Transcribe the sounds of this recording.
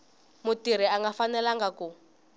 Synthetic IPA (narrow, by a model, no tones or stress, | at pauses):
mutiɾ̤iaŋɡafanɛlaŋɡaku